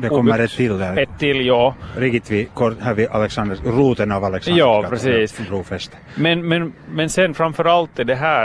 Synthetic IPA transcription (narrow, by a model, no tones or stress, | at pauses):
d̪ɛkɔmːəɾɛt̪ʰːɪld̪ɛɛt̪ʰːɪlːjɑːɾɪɡɪt̪ʋɪkʰɔɾɦæɾʋɪʔalɛksɑnd̪əɾɾuːt̪ənɑʋɑlɛksjɑːpɾɛsiːsbɾuːfɛst̪ | mɛnmɛnmɛnsɛnfɾamfœɾalt̪ːɪd̪ɛɦæː